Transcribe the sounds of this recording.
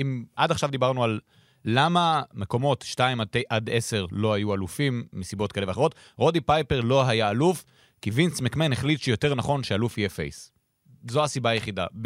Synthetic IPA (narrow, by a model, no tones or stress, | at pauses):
imʔadaχʃavd̪ibaʁnualː | amameko̞mo̞tʃtaimateʔad̪ese̞ʁlo̞hajualufimːisibo̞t̚kaleveaχeo̞t̪ | ʁo̞dipajpeʁlo̞ɦajaːluf | kivinsmekmenheχlit̪ʃejote̞ʁnaχo̞nʃealufhijefḛjs | zoasibaːjeχida̰b